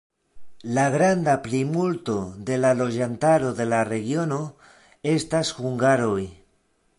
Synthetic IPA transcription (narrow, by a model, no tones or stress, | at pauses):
laɡɾandaplimulto̞d̪e̞lalo̞d͡ʒantaɾo̞ðe̞lare̞ɡio̞no̞ | e̞stashuŋɡaɾo̞j